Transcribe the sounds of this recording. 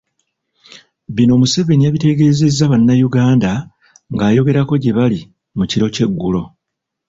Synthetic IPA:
βino̞ːmuse̞βe̞niaβite̞ɡe̞ːze̞zːaβanːajuɡaːnda | ŋɡaːjo̞ɡe̞ɾako̞ɟe̞βali | muciɾo̞ce̞ɡːulo̞

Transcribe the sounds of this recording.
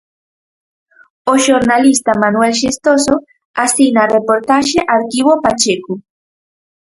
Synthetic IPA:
oʃoɾnalist̪amanuelʃest̪oso | asinarepoɾt̪aʃeʔaɾkiβopat͡ʃekʊ

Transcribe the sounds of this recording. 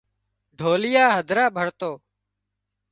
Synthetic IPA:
ɖʱoːlɪjaːɦəd̪ʱɾaːbʱəɽt̪oː

